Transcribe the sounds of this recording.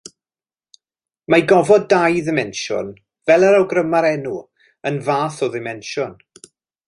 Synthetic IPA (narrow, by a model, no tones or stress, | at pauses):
majɡɔvɔdajðɪmɛnʃʊ̰n | vɛlˠəɾawɡrəmaɾɛnu | ənvaːθɔðɪmɛnʃʊn